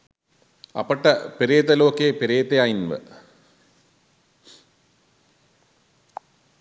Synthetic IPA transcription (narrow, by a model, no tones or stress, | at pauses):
ɐ̰pɐʈːɐpeɾeːt̪ɐloːkːepeɾeːt̪ɐjaːjinʋɐ̰